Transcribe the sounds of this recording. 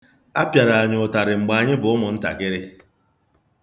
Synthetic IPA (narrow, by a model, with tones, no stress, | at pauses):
a˦pja˨ɾa˨a˨ɲʊ˨ʊ˨ta˨ɾɪ˨ŋ͡m̩˨ɡ͡ba˨a˨ɲɪ˦bʊ˨˦ʊ˦mʊ˨n̩˦ta̰˨kɪ˦ɾɪ˦